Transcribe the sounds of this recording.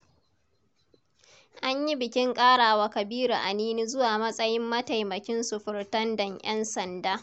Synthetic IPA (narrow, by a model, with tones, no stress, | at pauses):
ʔa˦ɲji˦bɪ˨kʲɪ˦ŋkʼaː˦ɽaː˨waː˦kɐ˨biː˦ɾu˨ʔa˨niː˦niː˦zʊ˦waː˨mɐ˦sʼɐ˦jɪ˦mːɐ˦ta˨jmɐ˨kʲɪ˦nsʊ˨ɸɪ˨ɽtɐ˦ndɐ˨ŋj̰ɛ˦nsɐ˨ndaː˦